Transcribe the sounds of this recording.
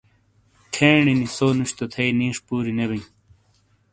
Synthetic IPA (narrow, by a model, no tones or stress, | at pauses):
t̪ʰeːɳinisoːnuɕt̪ot̪ʰɐiniːʂpuːɾineβej